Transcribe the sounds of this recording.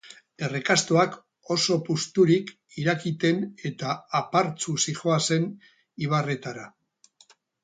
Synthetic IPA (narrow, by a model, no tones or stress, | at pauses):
d̪e̞rekast̪oak | o̞so̞pust̪uɾik | iɾakit̪e̞ne̞t̪aːpaɾt͡susixo̞ase̞n | iβ̞are̞t̪aɾa